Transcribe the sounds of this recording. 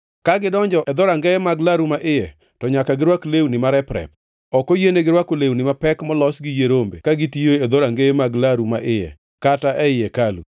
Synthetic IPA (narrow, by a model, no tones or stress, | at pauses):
kaɡɪdɔɲd͡ʒɔʔɛd̪ɔɾaŋɡɛjɛmaɡlaɾumaʔɪjɛ | tɔɲakaɡɪɾwaklewnɪmaɾɛpɾɛ̰p̚ | ɔkojeneɡɪɾwakolewnɪmapɛkmɔlɔsɡɪjeɾombḛkaɡɪtioed̪oɾaŋɡejemaɡlaɾuma̰ʔɪjɛ̰ | kataʔɛɪjekalṵ